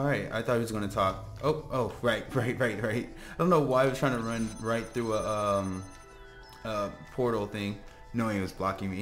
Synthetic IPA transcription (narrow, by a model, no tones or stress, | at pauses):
ɹaɪt̚a̰ɪθɔt̚iwʌzɡʌñɨtʰɔk̚ | ʔoʊʔoʊɹaɪt̚ɹaɪt̚ɹaɪt̚ɹaɪt̚ɪdõʊ̃nːoʊwaɪaɪwʌ̥ztʰɹaɪɪ̃ŋtʰəɹʌ̃nɹaɪt̪̚θɹʉəʌ̃m | ʌpʰɔɹɾl̩ˠd̪̚θɪ̃ŋ | noʊɪ̃ŋiwʌzblɑkɪ̃ŋmi